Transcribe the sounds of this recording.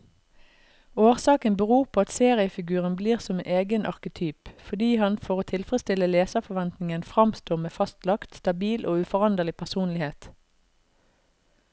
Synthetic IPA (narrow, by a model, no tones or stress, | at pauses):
oːʁsɑːkənbəʁuːʁpʰoːɑt̪seːʁɪəfɪɡʉːʁənbliːʁsɔmʔeːɡənʔɑ̰ʁkət̪ʰyːpfɔd̪iːhɑnfɔʁoːt̪ʰɪlfʁəst̪ɪləleːsəfɔʋɛnt̪nɪŋənfʁɑmst̪oːmeːfɑst̪lɑkt̪st̪ɑbiːlʔoːʉfɔʁɑnd̪əʁlɪpʰæʁsuːnlɪheːt̪